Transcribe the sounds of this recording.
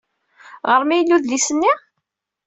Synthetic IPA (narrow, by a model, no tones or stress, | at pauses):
ʁəɾmijəlːuðlisənːi